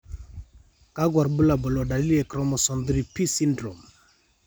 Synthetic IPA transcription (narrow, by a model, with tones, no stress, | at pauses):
ka˦ɡwa˨ɾbu˦la˨bɔ˨lɔ˨ɖa˨li˦lɛ˨kɾɔ˦mɔ˨sɔ˨nd̪ɾi˨pi˦si˦ndɾo˨m